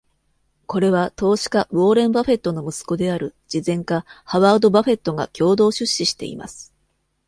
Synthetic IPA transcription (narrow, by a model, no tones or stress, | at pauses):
ko̞ɾe̞β̞at̪o̞ːɕi̥kabo̞ːɾẽ̞mbaɸe̞t̪ːo̞no̞mɯ̟sɨ̥ko̞d̪e̞aɾɯ̟d͡ʑ̥izẽ̞ŋkahaβaːd̪o̞baɸe̞t̪ːo̞ŋa̰kʲʰo̞ːd̪o̞ːɕɨɕːiɕi̥t̪e̞̰ḭma̰sɨ̥